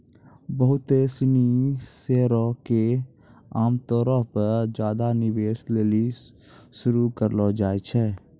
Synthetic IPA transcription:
bəɦʊt̪esɪniseːɾõke | aːmt̪ɔːɾãpəɾd͡ʒjaːd̪anɪʋeːsleːli | ʃʊɾukəɾlod͡ʒaːet͡ʃʰɛː

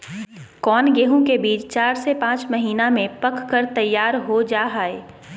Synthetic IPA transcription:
kɔːnɡeːɦõkebiːt͡ʃt͡ʃaːɾsepãːt͡ʃmɐɦiːnamẽpɐkkəɾt̪ɐjːaːɾɦod͡ʒaːɦaːe

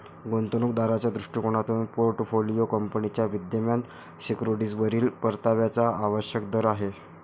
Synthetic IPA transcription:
ɡont̪onukd̪aɾat͡ɕjad̪ɾuʂʈikoɽ̃at̪uːnpoɾʈfolijokəmpənit͡ɕjaʋid̪jəmjan | sikɾoɽid͡zʋəɾiːlpəɾt̪aʋjat͡saaʋəɕjək̚d̪əɾaɦe

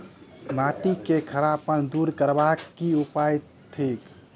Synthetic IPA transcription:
maʈikekʰəɾapənd̪uɾkəɾbakːiupaj | t̪ʰek

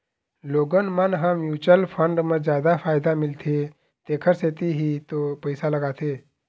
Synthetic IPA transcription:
loɡənmanɦãmjut͡ɕəlfəɳɖməd͡zjad̪afajd̪amilt̪ʰe | t̪ekʰəɾset̪iɦiːt̪opəjsaləɡat̪e

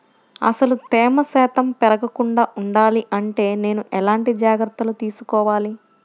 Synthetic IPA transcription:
ɐ̰sɐlut̪ɛːmɐsɛːt̪ɐmpɛɾɐɡɐkuɳɖaːʔuɳɖaːliʔɐɳʈe̞ːne̞ːnuʔɛlaːɳʈid͡ʒaːɡɾɐt̪ːɐlut̪iːsukɔːʋaːli

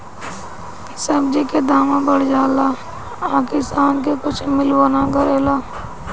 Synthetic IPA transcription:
səbd͡ʒiked̪aːmãbəɽd͡ʒaːla | aːkɪst̪aːnk̬ekʊt͡ʃʰmɪlwaːnaɡəɾeːlaː

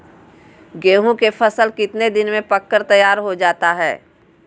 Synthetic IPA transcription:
ɡeːɦũkepʰəsəlkɪt̪ned̪ɪnmẽpɐkːəɾt̪ɐjaːɾɦod͡ʒaːt̪aɦɛː

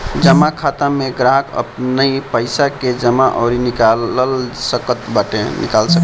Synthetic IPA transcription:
d͡ʒəmakʰat̪ameɡɾaɦəkə̰pnəipəɪsaked͡ʒəmaʔɔʊɾinikaəlsəkət̪baʈenḭkalsək

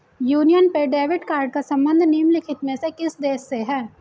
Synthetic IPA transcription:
juːnijənpeɖeːʋɪʈkaːɾɖ̚kasɐ̃mbə̃nd̪ʱniːmlɪkʰɪt̪mẽsekɪsd̪eːsːeɦɛ̃ː

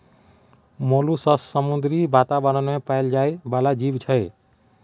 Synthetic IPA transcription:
molusəssəmud̪ɾibat̪abəɾənmepaɪld͡ʒajbalad͡ʒiʋt͡ʃʰəe

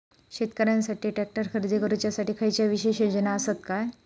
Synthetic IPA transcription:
ɕet̪kəɾjãnsaʈiːʈɛk̚ʈəɾkʰəɾd̪ikəɾut͡ɕjasaʈiːkʰəjt͡ɕjaʋiɕeɕjod͡ʑənaəsət̪kaj

